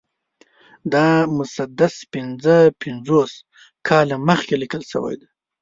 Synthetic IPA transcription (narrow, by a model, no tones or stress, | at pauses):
d̪ɑmʊsad̪aspɪnzəpɪnzos | kʰɑlaməxkelikəlsə̰wa̰jd̪a